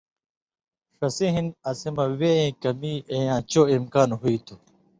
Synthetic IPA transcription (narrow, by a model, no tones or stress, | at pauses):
ʂɐsĩɦinɐsimɐweẽːkɐmiːẽjãːt͡ɕoːimkaːnɦuit̪ʰu